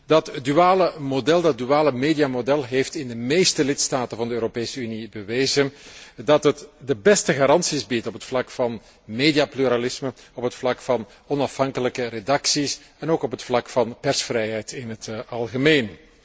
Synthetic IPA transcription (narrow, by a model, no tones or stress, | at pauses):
dɑtdyaːləmodɛlˠdɑt̚dyaːləmeːdijamodɛlˠɦeːftɪndəmejstəlɪtstaːtənvɑndəøːɾopeːsəynibəʋeːjzəndɑtɦətdəbɛstəɣaɾɑnsizbitɔpətflɑkfɑn | medijaplyɾalɪsməɔpətflɑkfɑn | ɔnɑfɦɑŋkələkəredɑksisɛnoːkɔpɦətflɑkfɑnpɛrsfrɛjɦɛjtɪnɦətɑlˠɣəmeːn